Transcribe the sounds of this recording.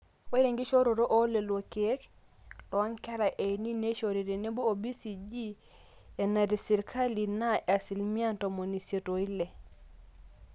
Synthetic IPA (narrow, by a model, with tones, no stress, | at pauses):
we˦ɾe˨ŋɡi˦ʃo˦ɾo˨ɾo˦ʔo˦le˨lwo˨keɛ˦k | lɔ˨a˦nkɛ˦ɾa˨ʔe˨ni˦ne˦ʃoɾi˨ɾi˨ne˦bo˦o˨bi˦si˨d͡ʒi˦ | e˨na˨ɾi˨si˨ɾkʰa˦li˨na˦a˨si˨lmi˦a˦nto˨mo˨ni˨sjo˨to˨i˦le˨